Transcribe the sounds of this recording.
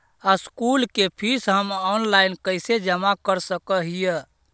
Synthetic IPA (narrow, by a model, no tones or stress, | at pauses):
askulkepʰisɦəmɔnlainkəɪsed͡ʒəmakəɾsəkəɦijə